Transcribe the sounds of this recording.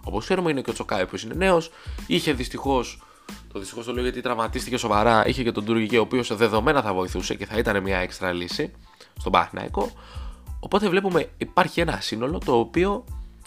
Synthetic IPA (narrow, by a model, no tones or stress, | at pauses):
o̞po̞skse̞ɾumeineceot͡so̞kɐvipço̞sine̞ne̞o̞siçe̞ðist̪ixo̞s | t̪o̞ðisti̥xost̪oleoʝɐt̪it̪ɾɐvmɐt̪ist̪ice̞so̞vɐɾɐʔḭçece̞t̪o̞d̪uɾʝicio̞ːpio̞sðe̞ðo̞me̞nɐθɐvo̞iθuse̞ce̞θɐit̪ɐne̞mɲɐe̞kst̪ɾɐlisi | t̪o̞bɐ̰θnɐ̰iko̞ː | po̞t̪e̞vle̞pume̞ipɐɾçie̞nɐsino̞lo̞t̪o̞ːpio̞